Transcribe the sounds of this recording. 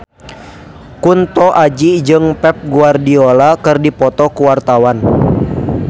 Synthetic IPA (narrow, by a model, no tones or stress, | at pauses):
kunt̪ɔʔad͡ʒid͡ʒɨŋpɛp̚ɡuardiolakɨrdipɔt̪ɔkuwart̪awan